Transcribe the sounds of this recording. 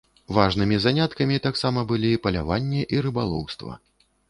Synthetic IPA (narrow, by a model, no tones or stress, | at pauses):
vaʐnɨmʲizanʲat̪kɐmʲit̪aksamɐbɨlʲipɐlʲa̰vanʲːɛʔiɾɨbalˠɔ̰wst̪vɐ̰